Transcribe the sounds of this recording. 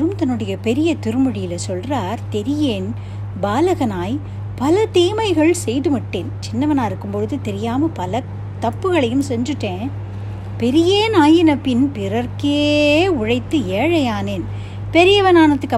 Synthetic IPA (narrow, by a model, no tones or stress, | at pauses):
ɾɯmt̪ɐnːɯɽɐjɐpɛɾɪjɐt̪ɪɾɯmɯɽɪjɪlɐsɔlraːɾt̪ɛɾɪjeːn | baːlɐɣɐnaːj | pɐlɐt̪eːmɐɪɣɐɭsɛjðɯmɐʈːeːnt͡ʃɪnːɐʋɐnaːɪɾɯkːɯmpɔɻɯðɯt̪ɛɾɪjaːmɐpɐlɐ | t̪ɐpːɯɣɐɭɐjɯmsɛɲd͡ʒɯʈːẽː | pɛɾɪjeːnaːjɪnɐpːɪnpɪɾɐɾkeːʊɻɐɪt̪ːɯeːɻɐjaːneːn | pɛɾɪjɐʋɐnaːnɐt̪ːɯkːɐ